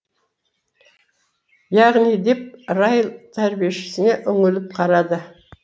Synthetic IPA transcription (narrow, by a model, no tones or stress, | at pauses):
jɑʁnijd̪e̞p̚rajlˠt̪ʰæɾbijeʃɪ̥sɪne̞ʔɵŋɪlɪp̚qʰɑɾɑd̪ə